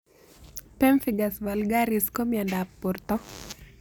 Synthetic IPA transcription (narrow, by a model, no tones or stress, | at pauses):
pɛɱfiɡasbalɡaɾɪskomjandapːurt̪ɔ